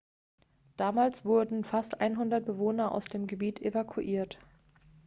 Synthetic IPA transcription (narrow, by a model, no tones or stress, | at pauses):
d̥aːmaːlsv̥ʊɐdn̩fastʔaɪnɦʊndɐt̚b̥əvoːnɐʔa̰ʊsd̥eːmɡəbiːtʰʔevakʰuʔiːɐt